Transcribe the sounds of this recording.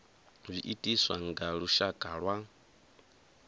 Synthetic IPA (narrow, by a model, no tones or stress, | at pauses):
b͡ʐʷiʔitʼiswa̰ŋɡaɺuʃakʼaɺwa